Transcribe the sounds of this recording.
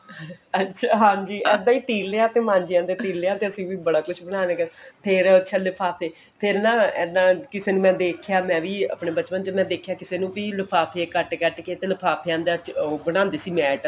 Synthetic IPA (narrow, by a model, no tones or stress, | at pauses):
ətːʃʰaːɦãːd͡ʒiːʔɛːd̪ãːiːt̪iːlːeaːt̪eːmãːɲd͡ʒɪjãːd̪eːt̪iːlːeːaːt̪eːəsĩːʋiːbəɽaːkʊt͡ʃʰbəɽ̃ãːnẽːkəpʰɪɾət͡ʃʃʰaləpʰaːpʰeː | pʰɪɾnãːɛːd̪ãːkɪseːnũːmɛ̃ːd̪eːkʰjaːmɛ̃ːʋiːə̰pɳeːbət͡ʃpənt͡ʃeːmɛ̃ːd̪eːkʰjaːkɪseːnũːbiːləpʰaːpʰeːkəʈkɛʈkeːt̪eːləpʰaːpʰejãːnd̪aːbəɽ̃ãːnd̪eːsiːmɛːʈ